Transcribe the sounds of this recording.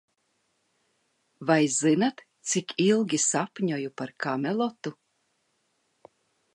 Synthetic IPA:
vajzinat̪ | t̪sikilˠɡʲisapʲɲɔjupaɾkamʲelˠɔt̪u

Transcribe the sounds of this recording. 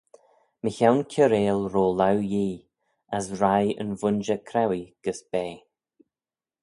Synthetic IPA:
məçawnkʰəɾeːlɾoːlawjiː | asɾajə̰nvʊnʒəkʰɾawiɡ̥əsb̥eː

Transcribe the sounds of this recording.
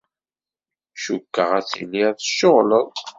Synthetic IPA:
ʃukːəʁæt͡sḭnːiæθəʃːoʁləðˤ

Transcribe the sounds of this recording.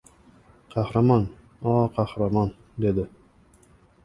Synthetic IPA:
qʰɑhɾamɒn | ɒqʰɑhɾamɒn | d̪e̞d̪ɪ

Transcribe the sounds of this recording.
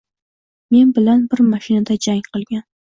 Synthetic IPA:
me̞nbɪlanbɪɾmaʃɪnad̪ad͡ʒaŋqʰɨlˠɡʲan

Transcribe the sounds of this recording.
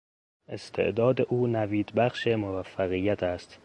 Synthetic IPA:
ʔe̞st̪ʰe̞̰ʔd̪ɒːd̪eʔuːnæviːd̪bæχʃemovæfːæɣijːæt̪ʰæst̪

